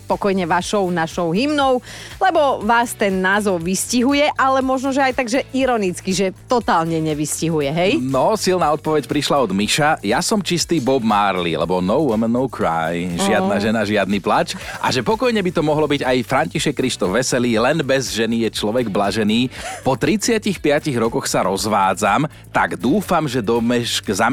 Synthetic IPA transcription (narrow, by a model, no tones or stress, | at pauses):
pɔkɔjɲɛʋaʃɔʊnaʃɔʊɦimnɔʊlɛbɔʋaːst̪ɛnːaːzɔʊʋisciɦujɛʔalɛmɔʒnɔʒɛajt̪aɡʒɛiɾɔnit͡skiʒɛt̪ɔt̪aːlɲɛɲɛʋisciɦujɛɦɛjnɔsilnaːɔt̪̚pɔʋɛcpɾiʃlaɔd̪miʃajasɔmt͡ʃist̪iːbɔbmaːɾlḭlɛ̰bɔnɔʊʋumənːɔʊkʰɾa̰jʒɪad̪naʒɛnaʒɪad̪niplat͡ʃʔa̰ʒɛpɔkɔjɲɛbit̪ɔmɔɦlɔbiɟajfɾaɲciʃɛkːɾiʃt̪ɔvʋɛsɛliːlɛnbɛzʒɛnijɛt͡ʃlɔʋɛɡblaʒɛniːpɔt̪ɾit͡sɪacixpɪaciɣɾɔkɔxsaɾɔzʋaːd͡zam | t̪aɡd̪uːfamʒɛd̪ɔmɛʃɡza